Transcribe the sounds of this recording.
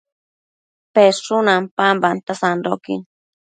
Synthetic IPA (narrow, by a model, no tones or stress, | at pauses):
peɾʂʊnampambant̪asand̪okɪ̰ŋ